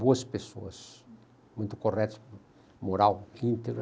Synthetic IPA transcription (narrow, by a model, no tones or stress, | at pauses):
boɐspeso̰ɐs | mũj̃t̪ʊkorɛt̪ʊ̥s | moɾawĩnt̪eɡɾɐ